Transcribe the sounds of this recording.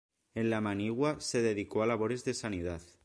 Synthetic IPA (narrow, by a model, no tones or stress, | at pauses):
e̞nlamaniɣwase̞ðe̞ðikoalaβ̞o̞ɾe̞zðe̞saniðaθ